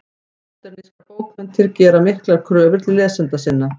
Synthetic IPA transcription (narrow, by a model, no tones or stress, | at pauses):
t̪ɛɾnɪskakoːwkmɛnt̪ʰɪɾcɛːɾamɪhklaɾ̥kʰɾœːvʏɾt̪ɪlɛːsɛnt̪asɪnːa